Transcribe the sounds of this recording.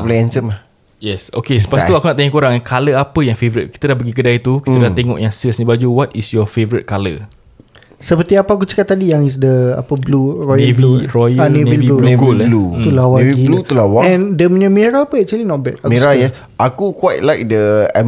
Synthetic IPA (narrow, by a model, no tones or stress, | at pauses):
blɛ̃nsəm | jɛsokesə̥pasuakunaʔt̪aŋõkoɾaŋɛkʰaləapəjaŋfevəɾit̪̚ki̥t̪ədahpəɡik̬ədait̪ukit̪ədəlat̪eŋɔ̰ʔjaŋsilsnĩbad͡ʒuwɔt̪isjɔfevəɾət̪̚kalə̰ | səpərt̪iapəak̬ut͡ʃə̥kat̪ːadijaŋis̬dəa̰pəblurɔjnəɛviɾɔjəanẽniviulɡulɛlut̪ulawaeviiblut̪ulawaɛ̃ndəmə̃ɲəmeɾapəɛk̚t͡ʃuəlinɔt̚bɛt̚akmeɾajɛ | ʔakukwajt̚lajk̚dəa